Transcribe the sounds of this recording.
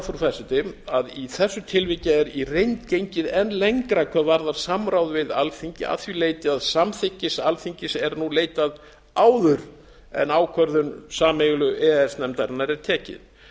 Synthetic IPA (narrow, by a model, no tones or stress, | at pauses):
fɔɾfasɪt̪ɪmaðiθɛsːʏt̪ʰɪlvɪcɪɛɾirejnt̪cejɲcɪðɛnleŋkɾakʰvœvaɾðaɾ̥samɾawðvɪðalθiɲcɪa̰θvileːjt̪ɪaðsamθɪhcːɪsalθiɲcɪsɛɾnuleːjt̪að | aːwðʏɾ | ɛ̰naːwkʰvœɾðʏnsaːmɛɣlʏʔɛɛsnɛmt̪aɾɪnːaɾɛɾ̥t̪ʰɛːcɪ̰ð